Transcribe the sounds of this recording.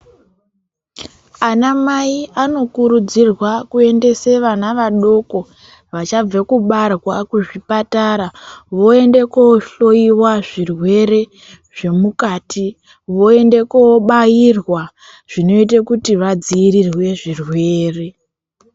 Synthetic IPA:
anamaiʔano̞kuɾud͡zirwakue̞nde̞se̞ʋanaʋaɗo̞ko̞ | ʋat͡ʃab͡vakuɓarwakuʐipataɾaʋo̞e̞nde̞kooɬo̞iwaʐirwe̞ɾe̞ | ʐe̞mukaːtʰi | ʋo̞e̞nde̞kooɓajirwa | ʐ̥ino̞it̬ekutiʋad͡ziːɾirwe̞ʐirwe̞ːre̞

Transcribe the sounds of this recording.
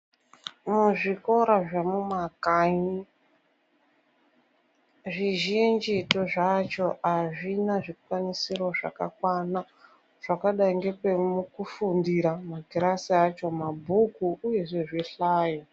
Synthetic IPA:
muʐiko̞ɾaʐemumakaɲi | ʐiʒind͡ʒitoʐat͡ʃo̞aʐinaʐikwanisirwaʐa̰ka̰kwana | ʐ̥akaɗaiŋɡe̞pemukufundiɾamaɡʱiɾasiat͡ʃo̞mabʱukuuje̞ʐeʐiɬaːje

